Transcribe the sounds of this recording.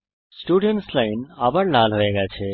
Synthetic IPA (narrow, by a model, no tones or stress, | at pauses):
sʈuɖeɳʈslainabəɽnalɦoeɡat͡ʃʰe